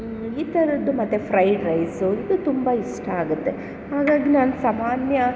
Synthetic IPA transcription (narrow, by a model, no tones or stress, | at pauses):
iːt̪ɐɾɐd̪ːumɐt̪ːepʰɾɐjɖɾɐjsuid̪ut̪umbɐiʂʈɐaːɡut̪ːe̞ | haːɡaːɡinaːnɐsamaːnjɐ